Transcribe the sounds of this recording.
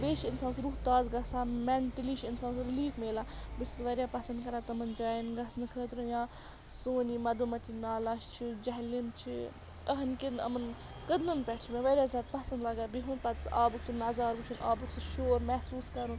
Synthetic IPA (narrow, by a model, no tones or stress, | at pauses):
beːʃinsaːnsɾuɦt̪aːzɡɐsaːmɛɳʈəliʃinsaːnsuɾiliːfmeːlaːbisit̪ʋɐɾjaːpɐsɐnd̪kɐɾaːt̪ɐmɐnd͡ʒaːjinɡɐsnɨkʰəːt̪ɾujãː | soːnimɐd̪umɐt̪inaːlaʃt͡ʃʰid͡ʒɐɦlimt͡ʃʰḭ | əɦɐnkinɐ̰mɐn | kəd̪lɨnpʲɛʈʰt͡ʃʰmẽʋɐɾʲjaːzʲaːd̪̚pɐsɐnd̪lɐɡaːbiɦunpɐt̪sʔaːbuksʰumɐzaːɾbut͡ʃʰunʔaːbuksɨʃoːɾmɛsuːskɐɾũn